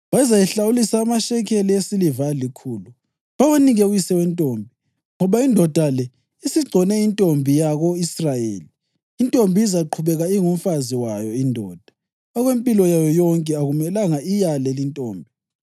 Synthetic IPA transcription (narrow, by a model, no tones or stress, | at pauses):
βazajɛɬawulisaːmaʃɛkʰɛliesilivalikʰuːlu | βawaniɣɛujisɛwɛntʼoːmbʱi | ŋɔβaindʱɔd̥ʱalɛ | isiɡ͡ǀʱɔnɛintʼombʱijaɣɔisrajḛːliː | ntʼombʱiizaǃʰuβɛɣaiŋum̩faziwajɔindʱɔ̰ːd̥ʱḁ | ɔɣwempʼilɔjajɔjɔŋkʼɛaɣumɛlaŋaijalɛlintʼo̰ːmbʱi